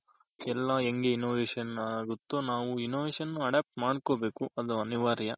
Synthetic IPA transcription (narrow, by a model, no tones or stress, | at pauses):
ɛlːɐeŋɡeinoːʋeːʃɐnɐɡut̪ːonaːʋuinoːʋeːʃɐnːuɐɖaːp̚ʈmaːɽkoːbe̞ːkuʔɐd̪uɐniʋaːɾjɐ